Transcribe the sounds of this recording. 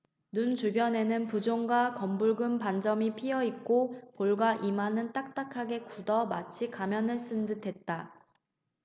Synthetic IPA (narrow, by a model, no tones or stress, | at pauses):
nunt͡ɕubjʌne̞nɯnpud͡ʑoŋɡwakʌmbuɭɡɯmpand͡ʑʌmipʰiʌik̚k͈opoɭɡwaʔimanɯnt͈ak̚t͈akʰaɡe̞kudʌmat͡ɕʰikamjʌnɯɭs͈ɯndɯtʰe̞t̚t͈a